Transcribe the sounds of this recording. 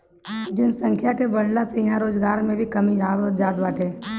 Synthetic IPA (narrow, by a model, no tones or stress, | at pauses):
d͡ʒɪnsə̃ŋkʰjakebɐɽlasejɐɦãɾoːd͡ʒɡaːɾmẽbʱikɐmiaːɔd͡ʒaːd̪ʋaːʈeː